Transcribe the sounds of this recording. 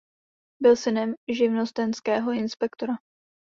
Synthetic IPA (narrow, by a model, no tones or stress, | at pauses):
bɪlsɪnɛmʒɪvno̞st̪ɛnskɛːɦo̞ɪnspɛkt̪o̞ɾa